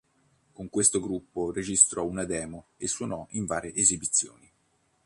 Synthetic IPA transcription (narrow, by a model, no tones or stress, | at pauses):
koŋkwest̪oɡɾupːored͡ʒist̪ɾɔunad̪ɛːmoesːwonɔʔiɱvaːɾeʔːzibit̪sːjo̰ːni